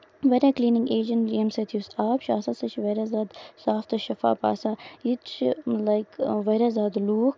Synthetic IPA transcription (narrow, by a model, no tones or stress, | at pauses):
ʋɐɾʲakliːnɪ̃ŋɡeːd͡ʒɐ̃nɾiəmset̪ʰusaːpʃa̰ːsɐsɐt͡ʃʰiʋɐːɾazaːd̪saːft̪ɐʃɐfa̰ːpa̰ːsait̪t͡ʃlaɪkʋeːɾazaːd̪luːk